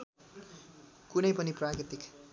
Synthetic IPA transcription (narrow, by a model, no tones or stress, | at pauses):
kunʌjpʌniprakit̪ik